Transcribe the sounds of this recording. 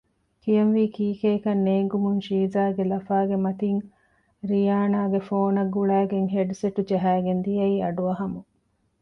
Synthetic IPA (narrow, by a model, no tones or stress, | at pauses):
kijɐnʋiːkiːkeːkɐnːeːŋɡumunʃiːzaːɡelɐfaːɡemɐt̪iŋ | ɾijaːnaːɡefoːnɐɡːuɭæːɡeŋɦeɖseʈud͡ʒɐɦæːɡend̪ijɐiːɐɖuɐɦɐmu